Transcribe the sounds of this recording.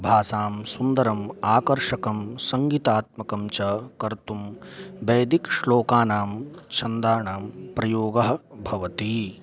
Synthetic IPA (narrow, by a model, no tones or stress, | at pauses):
bʱaːsaːmsund̪ɐɾɐmaːkɐɾʂɐkɐmsɐŋɡit̪aːt̪̚mɐkɐmt͡ʃɐkɐɾt̪umbɐjd̪ikʂloːkaːnaːmt͡ʃʰɐnd̪aːɳaːmpɾɐjoːɡɐɦɐ̆bʱɐʋɐt̪i